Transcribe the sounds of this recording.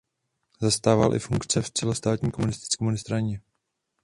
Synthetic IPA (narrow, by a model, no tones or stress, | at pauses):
zast̪aːva̰lʔɪ̰fuŋkt͡sɛft͡sɛlost̪aːt̪ɲiːko̞munɪst̪ɪ̥t͡skɛmunɪst̪ɾaɲɛ